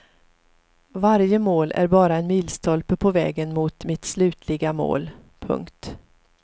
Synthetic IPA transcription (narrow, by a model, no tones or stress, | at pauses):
vaɾjəmoːlʔæ̰ɾbɑːɾaɛnmiːlst̪ʰɔlpəpʰɔvɛ̰ːɡənmʊt̪mɪt̪slʉ̟ːt̪ʰlɪɡamo̰ːl | pʰɵ̰ŋkt̪